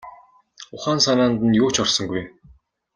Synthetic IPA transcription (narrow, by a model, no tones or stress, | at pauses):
ʊχaːnsanaːnt̪ə̆njoːt͡ɕɔrsɞ̆ŋɡuj